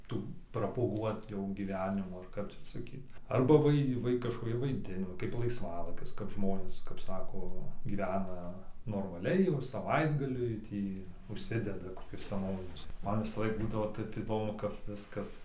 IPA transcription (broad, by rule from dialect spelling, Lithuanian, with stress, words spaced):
ˈtuː proːpʊˈɡuɔt jɛʊ ɡʲiːˈʋʲæːnʲɪmuː ɐr ˈkɐp t͡ʃʲɛ sɐˈkʲiːt ˈɐrbɐ ʋɐɪ ˈʋɐɪ kɐʃkoːˈkʲɪ ʋɐɪˈdʲɪnoː kɐɪp lˠɐɪsˈʋɑːlˠɐɪkʲɪs kɐp ˈʒmoːnʲeːs kɐp ˈsɑːkoː ɡʲiːˈʋʲæːnɐ noːrmɐˈlʲɛɪ jɛʊ sɐˈʋɐɪdɡɐlʲʊɪ ˈtʲiː ʊʃʲˈsʲɪdʲɛdɐ koːˈkʲʊs sʲɛˈnoːʋʲɪnʲʊs ˈmɐn ʋʲɪsɐˈlˠɐɪk ˈbuːdɐʋoː ˈtʲɛp iːˈdoːmʊ kɐp ˈʋʲɪskɐs